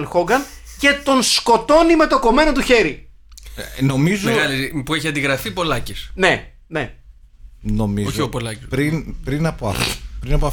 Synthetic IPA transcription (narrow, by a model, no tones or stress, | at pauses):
lxoɡɐnce̞t̪o̞nsko̞t̪o̞nime̞t̪o̞ko̞me̞not̪uçe̞ɾi | no̞mizumeɣɐlipueçiɐnd̪iɣɾɐfipo̞lɐcisne | ne | no̞mizoopolɐcipɾinpɾinɐpoɐ̰pɾinɐpoɐ